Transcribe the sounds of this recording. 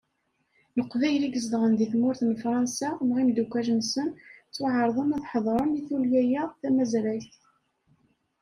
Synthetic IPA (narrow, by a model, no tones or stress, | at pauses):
nəqːvæjliɡəzd̪ʁənd̪iθmʊɾθnfɾˤɑnsamʁimd̪ukʷːæʒənsənt͡sːʊʕəɾˤðˤənæðħəðˤɾˤəniθuljæjæθæmæzɾæjθ